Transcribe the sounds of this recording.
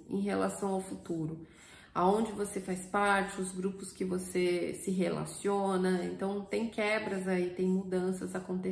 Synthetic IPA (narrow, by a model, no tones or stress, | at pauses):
ḛ̃j̃ɦelasɐ̃w̃awfut̪uɾʊ | aõd͡ʒɪvosefajspaɾt͡ʃɪʊzɡɾupʊskɪvosesɪɦela̰siõnɐẽnt̪ɐ̃w̃t̪ẽj̃kɛbɾɐzait̪ẽj̃mud̪ɐ̃sɐzakõnt̪e